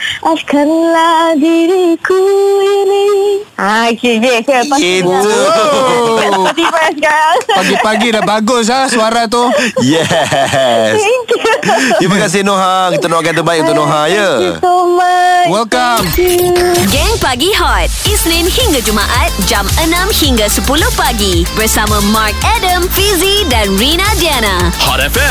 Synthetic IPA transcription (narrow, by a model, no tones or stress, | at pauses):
askənladiɾikuiniakiɡekəait̪ | d̪ipɛsɡapaɡipaɡidabaɡʊs̬asuaɾat̪̬ujɛ | sk | imakas̬inoɦãkit̪anoaɡãt̪̬əbaɪkut̪ʊʔnoɦãjə | wɛlkam | ɡɛŋpaɡiɦɔt̪̚isnɪnhiŋɡad͡ʒumaʔat̪̚d͡ʒamənãmhiŋɡasəpulʊhpaɡibərsamãmark̚ɛdəmfizidanɹinadianahɔtɛfɛ